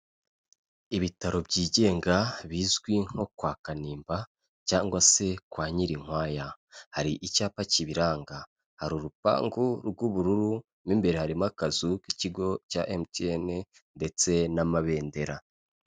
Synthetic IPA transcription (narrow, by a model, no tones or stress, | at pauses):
iβitaɾo̞bɟiːɟe̞ːŋɡaβiːzɡwiŋ̥o̞kwaːkaniːmba | caːŋɡwase̞kwaːɲiɾiŋ̥waːja | haɾiʔicaːpaciβiɾaːŋɡa | haɾuɾupa̰ːŋɡuɾɡuβuɾuɾu | mimbe̞ɾe̞haɾimakazukiciɡo̞ca̰ʔemtiene | nde̞t͡se̞namaβe̞ːnde̞ɾa